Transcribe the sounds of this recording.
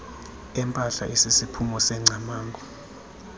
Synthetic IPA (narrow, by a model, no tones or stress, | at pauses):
ɛmpʼaɬa̰ʔisisipʰumɔsɛŋ͡ǀʱamaːŋɡʱʼɔ